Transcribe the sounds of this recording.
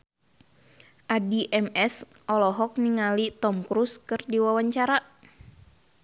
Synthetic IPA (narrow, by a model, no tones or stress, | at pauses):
ʔadiʔɛmɛs | ʔɔlɔɦɔk̚niŋalit̪ɔmkɾuskɨrdiwawaɲt͡ʃaɾa